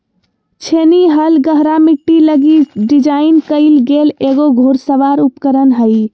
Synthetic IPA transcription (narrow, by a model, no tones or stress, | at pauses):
t͡ʃʰeniɦəlɡəɦɾamiʈːiləɡiɖid͡ʒaɪnkəɪlɡeleɡoɡʱoɾsəʋaɾupkəɾənɦəɪ